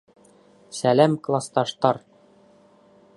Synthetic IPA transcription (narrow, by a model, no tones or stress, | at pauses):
sælæmklˠɑst̪ɑʃt̪ɑɾ